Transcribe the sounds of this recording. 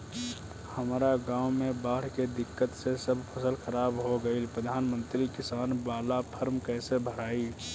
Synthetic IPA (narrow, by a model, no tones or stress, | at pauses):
həmɾaɡãːʊmẽbaːɽ̤ked̪ɪkːət̪sesəbpʰəsəlxəɾaːbɦoɡəilpɾəd̪ʱaːnmə̃nt̪ɾikɪsaːnbaːlapʰəɾmkɛːsebʱəɽaːi